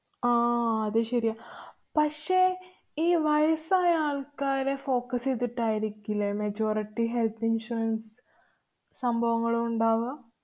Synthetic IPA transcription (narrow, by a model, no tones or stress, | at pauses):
aːɐðɨɕɐɾijaː | pɐkʂe̞ː | iːʋɐjɐsaːjɐaːɭkaːɾefo̞ːkɐset̪ːiʈːaːjiɾikʲːilːɐmɐd͡ʑo̞ːɾiʈːiɦelt̪ʰinʂuɾɐns | sɐmbʱɐʋɐŋːɐɭumuɳɖaːʋɐ